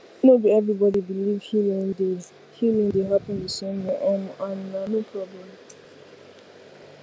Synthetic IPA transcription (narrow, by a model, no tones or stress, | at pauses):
nobiɛvɹibɔdibilivhilĩŋdez | hilĩŋdeɦapə̃ndisɔ̃njɔʔɔ̃mãnnanopʰɹɔblɛ̃m